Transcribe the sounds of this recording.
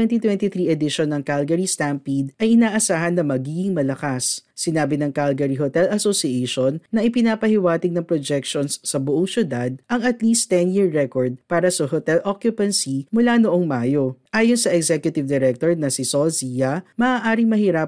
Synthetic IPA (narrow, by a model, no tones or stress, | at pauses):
wɛnt̪it̪wɛnt̪iθɾiʔɛd̪ɪʃonːɐŋkalɡɐɾist̪ampid̪̚ʔɐjʔɪnaːʔɐsaːɦɐnːɐmɐɡiːɡɪŋmɐlɐkasːɪnaːbɪnɐŋkalɡɐɾiɦot̪ɛlɐsosiejʃonːɐʔɪpɪnaːpɐhɪwaːt̪ɪɡ̚nɐŋpɾod͡ʒɛk̚ʃonsːɐbʊʔoŋsjʊd̪ad̪̚ʔɐŋɐt̪liːst̪ɛnjiɹːɛkoɹd̪̚paːɾɐsɐɦot̪ɛlʔokjʊpɐnsimʊlanoʔoŋmaːjo̞ʔaːjonsɐʔɛɡzɛkjʊt̪ɪvd̪ɛɾɛk̚t̪oɹnɐsɪsosijɐmɐʔaːʔaːɾɪŋmɐhiɾa